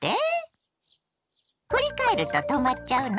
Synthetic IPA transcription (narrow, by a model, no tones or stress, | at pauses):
t̪e | hɯɾʲikaeɾɯ̟t̪o̞t̪o̞mat͡ɕaɯ̟n